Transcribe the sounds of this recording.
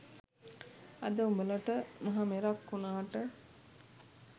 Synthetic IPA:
ɐd̪əubələʈəmɐɦameɾakːunaːʈə

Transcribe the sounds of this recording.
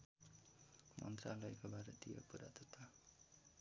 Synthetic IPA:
mʔʌ̰nt̪ralʌjkobaɾʌt̪ijo̰puɾa̰t̪ut̪ʰa

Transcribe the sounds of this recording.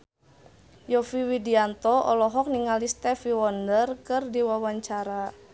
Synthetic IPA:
jɔfiwidiant̪ɔʔɔ̰lɔɦɔk̚niŋalist̪ɛfiwɔndərkɨrdiwawaɲt͡ʃaɾa

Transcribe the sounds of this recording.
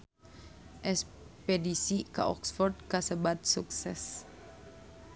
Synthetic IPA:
ʔɛs | pedisikaʔɔksfɔrd̪̚kasəbat̪̚suksɛs

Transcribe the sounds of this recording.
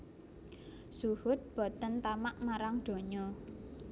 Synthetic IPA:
suhʊt̪̚b̥ɔ̤t̪ənt̪amaʔmaɾaŋɖ̪̥o̤ɲɔ

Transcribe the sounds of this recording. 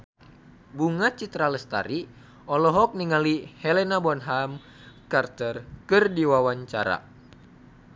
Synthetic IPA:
buŋat͡ʃit̪ɾaləst̪a̰ɾi | ɔlɔɦɔk̚niŋalihɛlɛnabanɦam | kart̪ərkɨrdiwawaɲt͡ʃa̰ɾa̰

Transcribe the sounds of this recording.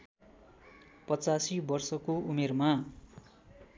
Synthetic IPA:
pʌt͡sasibʌrsʌkoumerma

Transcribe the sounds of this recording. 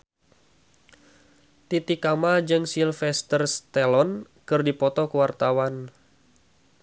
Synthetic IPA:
t̪it̪ikamad͡ʒɨŋsilfɛst̪ərst̪ɛlɔn | kɨrdipɔt̪ɔkəwart̪awan

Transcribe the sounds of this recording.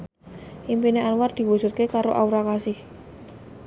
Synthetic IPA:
ʔimpineʔalward̪̥i̤wu̥ʒ̥ṳt̪̚kekaɾoʔawɾakasɪh

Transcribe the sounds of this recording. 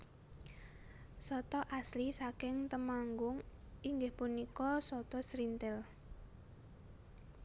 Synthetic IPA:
sɔt̪ɔʔaslisakɪŋt̪əmaŋɡʊŋ | iŋɡɪhpunikɔsɔt̪ɔsɾint̪ɪl

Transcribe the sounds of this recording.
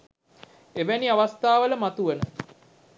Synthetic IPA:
eʋæniaʋast̪aːʋələmat̪uʋənə

